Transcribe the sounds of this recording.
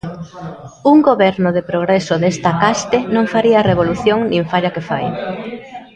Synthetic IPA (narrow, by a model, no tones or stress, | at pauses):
uŋɡoβɛɾnʊðepɾoɣ̞ɾesoðest̪ɐkast̪enõŋfaɾiɐaːreβoluθjoŋnĩɱfaʎakefaj